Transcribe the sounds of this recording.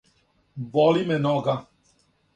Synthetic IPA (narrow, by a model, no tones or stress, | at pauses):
bɔlimɛnɔɡa